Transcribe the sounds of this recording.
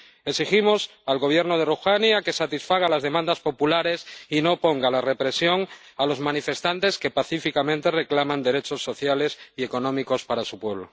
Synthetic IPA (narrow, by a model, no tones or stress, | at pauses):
eksiximo̞s | alɣo̞β̞je̞ɾnoðeruxanjake̞sat̪isfaɣ̞alazðe̞mãnd̪aspo̞pulaɾe̞sino̞po̞ŋɡalare̞pɾe̞sjo̞ŋ | alo̞zmãnife̞st̪ant̪e̞ske̞paθifikamẽnt̪e̞re̞klamãnd̪e̞ɾe̞t͡ʃo̞sːo̞θjale̞sie̞ko̞nõ̞miko̞spaɾasupwe̞β̞lo